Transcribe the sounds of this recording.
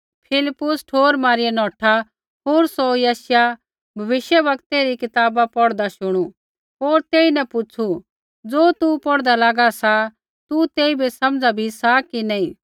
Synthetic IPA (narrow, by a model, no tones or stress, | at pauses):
pʰɪlɪpːʊsʈʰoːɾmaːɾijenɔːʈʰa | ɦoːɾsojaːsja | bʱɐʋɪʃjəʋɐkt̪eɾikɪt̪aːbapɔɽd̪aʃʊɽ̃u | ɦoːɾt̪eːinɛ̃pʊt͡ʃʰu | d͡zoːt̪upɔɽd̪alaːɡasa | t̪ut̪eːibʱesɐmd͡zabʱisakinaːĩ